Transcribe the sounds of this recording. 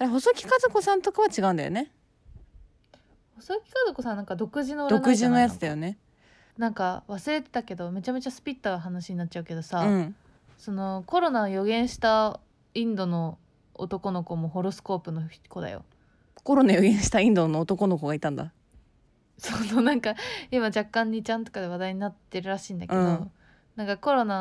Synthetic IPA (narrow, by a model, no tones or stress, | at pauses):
aɾeɦo̞sokʲi̥kazoko̞sãnt̪o̞kaβat͡ɕiɡaɯ̃nd̪a̰jo̰ne̞ | ho̞sokʲi̥kazoko̞sãnːãŋkad̪o̞kɯ̟ʑinoɾd̪oankɯʑinojat͡sɨd̪ajo̞ne̞ | nãŋkaβasɨɾe̞t̪e̞̥t̪ake̞d̪o̞me̞t͡ɕame̞t͡ɕasɨ̥pʲit̪ːaɡaɦanaɕiɲ̟nat̚ːt͡ɕaɯ̟ked̪o̞saɯ̃ | so̞no̞ko̞ɾo̞naojo̞ɡẽ̞ɰ̃ɕi̥t̪a | ĩnd̪o̞no̞ | o̰t̪o̞ko̞no̞ko̞moɦo̞ɾo̞sɨ̥ko̞ːpɯ̟no̞ko̞d̪a̰jo̰ | ko̞ɾo̞najo̞ɡẽɕi̥t̪aĩnd̪onoːt̪o̞ko̞noko̞ɡait̪ãnd̪a | sononãŋkaimad͡ʑakːãɲ̟ːit͡ɕãnt̪o̞̥kad̪e̞β̞ad̪aiɲ̟inat̪ːe̞ɾɯ̟ɾaɕĩːnd̪ake̞d̪̃o̞ | nãŋkako̞ɾo̞na